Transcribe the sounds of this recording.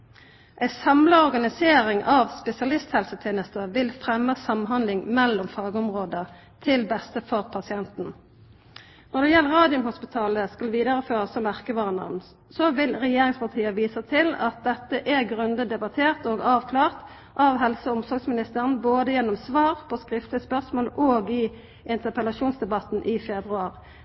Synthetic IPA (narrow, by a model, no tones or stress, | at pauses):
ʔæɪsɑmləɔʁɡɑnɪseːʁɪŋɑʋspɛsɪɑlɪst̪hɛlsət̪ʰeːnəst̪əʋɪlfʁɛmːəsɑmɦɑnd̪lɪŋmɛlːɔmfɑːɡəʊmʁoːd̪ə | t̪ʰɪlbɛst̪əfɔʁpʰɑsɪɛnt̪n̩ | nɔʁd̪ɛjɛlːəʁɑːd̪ɪʊmhʊspɪt̪ʰɑːləskɑlʋiːd̪əʁəføːʁəsɔmːæʁkəʋɑːʁnɑ̰ʁn | sɔʋɪlʁɛjeːʁɪŋspɑʁt̪ʰiːəʋiːsət̪ʰɪlɑ̰t̪̚d̪ɛt̪ːəʔæʁɡʁʉnd̪əd̪ɛbɑt̪ʰeːʁt̪oːɡɑːʋkʰlɑːʁt̪ | ʔɑʋɦɛlsəʊmsɔʁɡsmɪnɪst̪əʁənboːd̪əjɛnːɔmsʋɑːʁpʰɔskʁɪft̪ləspœʁsmoːloːɡɪ | ɪnt̪əʁpəlɑʃuːnsd̪ɛbɑt̪n̩ʔɪfɛbʁʉɑːʁ